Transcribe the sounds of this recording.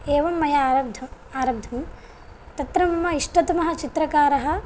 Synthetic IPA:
eːʋɐmːɐjɐd̪ʱɐ | aːɾɐb̚d̪ʱɐm | t̪ɐt̪ɾɐmɐmːɐiʂʈɐt̪mɐɦɐ̆t͡ʃit̪ɾɐkaːɾɐɦɐ̆

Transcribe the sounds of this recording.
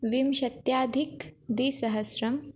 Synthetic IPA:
ʋimʃɐt̪jaːd̪ʱikd̪isɐɦɐsɾɐm

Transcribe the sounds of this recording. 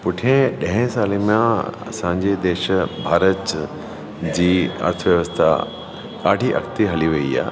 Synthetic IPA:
pʊʈʰiẽɗɐ̃ɦɪ̃saːlemãɐ̰sãːɲd͡ʑed̪eːʃbʱaːɾət̪ | d͡ʑiːɐ̰ɾt̪ʰəʋjɐʋəst̪ʰa | kaːɖʱiʔɐ̰kt̪iɦɐliʋɐia̰ː

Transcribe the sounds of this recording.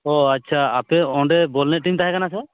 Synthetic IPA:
ɔatːt͡ʃʰaapɛɔ̃ɖɛbɔlnɛʔʈimt̪aɦɛkanasɛ

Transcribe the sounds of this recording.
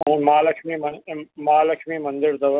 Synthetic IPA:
ũnmaːlɐkmimɐmaːlɐkʰmimɐnd̪ɪɾd̪ɐʋ

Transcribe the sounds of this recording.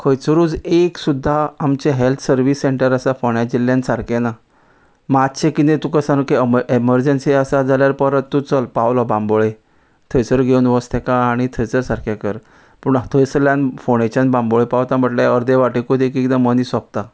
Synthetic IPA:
kʰəjt͡sɾuːd͡zeksud̪ʱːaːmt͡ɕeɦelt̪ʰsəɾʋisːeɳʈəɾəsafɔɳad͡ʑilːjãnsaɾkena | mat̪t͡ɕẽkit̪ẽt̪ukəsãnukeeməɾd͡ʑənsiəsad͡zʱaljaɾpəɾət̪ːut͡səlpawlɔbãmboɭe | t̪ʰəjsəɾɡʱeunʋɔst̪ʰekaːɽ̃it̪ʰəjt͡səɾsaɾkʰekəɾ | puɳt̪ʰəjsəljanfoɳ̃et͡ɕãnbãmboɭepawt̪ãməʈlaəɾd̪eʋaʈekud̪ekikd̪ẽmənisɔp̚t̪a

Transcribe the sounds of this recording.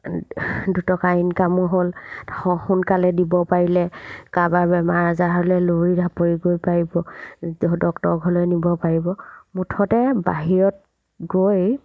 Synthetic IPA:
dutɔkainkamɔɦolɔxunkalɛdibɔpaɹilɛkababɛmaɹzaɦɔlɛloɹidʱapoɹiɡojpaɹibɔ | dɔktɔɹɡʱɔlɔjnibɔpaɹibɔmutʰɔtɛba̰ɦiɹɔt̚ | ɡoj

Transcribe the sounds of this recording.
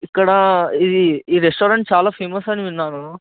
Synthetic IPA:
ikːɐɽɐid̪iiːɾesʈoːɾɐɳʈ̚t͡ʃaːlaːpʰeːmɐsɐniʋinːaːnu

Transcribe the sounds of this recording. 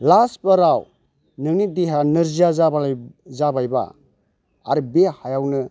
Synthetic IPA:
laspəɾaw | nɯŋnit̚diɦanɯɾzijazabazabajba̰ | a̰ɾɯbehajawnɯ

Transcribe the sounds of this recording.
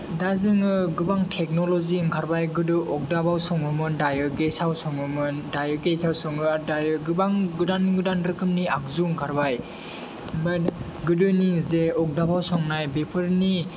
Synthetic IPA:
dazɯŋɯɡɯbaŋtʰek̚nɔlɔziŋkʰaɾbajɡɯdɯʔɔk̚dabawsɔŋɯmɯndajɯɡesawsɔŋɯmɯndajɯɡesawsɔŋɯaɾdajɯɡɯbaŋɡɯdanɡɯdanɾɯkʰɯmniak̚zuŋkʰaɾbaj | bat | ɡɯdɯnizeɔk̚dabawsɔŋnajbepʰɯɾni

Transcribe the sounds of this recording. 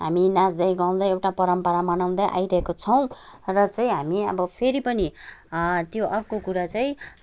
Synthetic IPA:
ɦa̰minad͡zd̪ʌjɡaw̃d̪aewʈapʌɾʌmpʌɾamʌnaw̃d̪ʌjʔa̰jɾʌɦekot͡sʰʌw̃rʌt͡saĩɦamiʌ̰bʌpʰeɾipʌni | t̪joʔʌrkokuɾat͡saĩ

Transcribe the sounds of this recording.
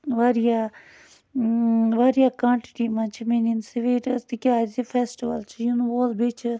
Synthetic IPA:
ʋaːɾijaː | ʋaːɾijaːkãːɳʈiʈiːmãːt͡ʃʰimeːninseʋeːʈt̪ikʲaːɾt̪ipʰɛːsʈiʋə̰lt͡ʃʰijunuʋoːlbet͡ʃʰ

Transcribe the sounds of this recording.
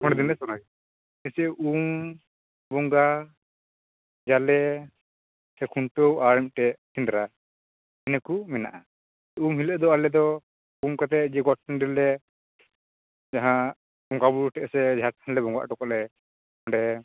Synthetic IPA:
ɔɳɖɛd̪inɛsɔna | ɛsiʔum | bɔŋɡa | d͡ʒalɛ | sɛkʰuɳʈowaɾɛmʈɛʔt̪ind̪ɾa | ɛnɛkumɛna̰ʔa | umɦiləʔd̪ɔalɛd̪ɔ | umkat̪̬ɛd͡ʒɛɡɔʈ̚ɛnɖiɾlɛ | d͡ʒaɦã | bɔŋɡabuʈɛʔsɛd͡ʒʱat̚kʰanlɛbɔŋɡa̰ʔʈɔkɔʔlɛ | ɔɳɖɛ

